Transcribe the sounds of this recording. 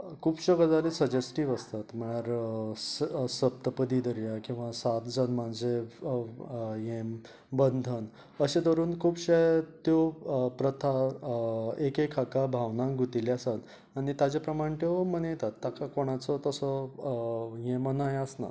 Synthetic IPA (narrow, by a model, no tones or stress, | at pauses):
kʰuːbɕəɡəd͡zalesəd͡ʑesʈiːʋəst̪at̪m̤əɽ̃aɾ | səp̚t̪əpəd̪id̪əɾijakĩw̃ʋasat̪d͡zənmand͡ze | jem | bənd̪ʱən | əɕed̪əɾuːnkʰuːbɕet̪jopɾət̪ʰa | ekekʰakabʱaʋnãŋɡut̪ileasat̪ | aɽ̃it̪ad͡ʑepɾəmaɽ̃t̪emənjet̪at̪ːjakakoɽ̃at͡sɔt̪əsɔ | jẽmənajəsna̰